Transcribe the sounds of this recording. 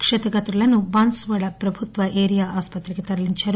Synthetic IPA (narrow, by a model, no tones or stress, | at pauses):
kʂet̪ɐɡɐt̪ɾulɐnubaːnsʋɐɭɐpɾɐbʱut̪ʋɐʔeːɾijaːʔaːspɐt̪ɾeɡet̪ɐɾɐliɲt͡ʃɐɾu